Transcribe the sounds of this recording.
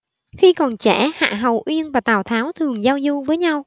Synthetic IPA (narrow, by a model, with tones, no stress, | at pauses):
xi˧kɔ˨˩nt͡ɕɛ˧˩ha̰ː˧˨ɦə˨˩wʔwi˧ənvaː˨˩t̪aː˨˩wt̪ʰaː˨˦wt̪ʰɨ˨˩əŋzaː˧wzu˧vəː˨˦jɲa˧w